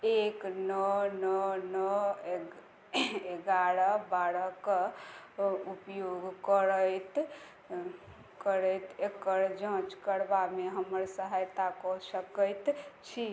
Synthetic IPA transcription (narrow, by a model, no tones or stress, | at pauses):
eknənənəe | eɡaɽəbaɽək | upjoɡkəɾət̪ | kəɾəjt̪ekəɾd͡ʒə̃t͡ʃkəɾbameɦəməɾsəɦajt̪akɔsəkəjt̪t͡ʃʰi